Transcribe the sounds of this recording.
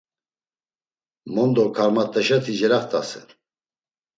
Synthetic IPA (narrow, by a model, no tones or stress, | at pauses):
mɔnd̪ɔkʰaɾmat̪ʼːɛʃɛt̪ʰid͡ʒɛɾaχt̪ʼasɛ̰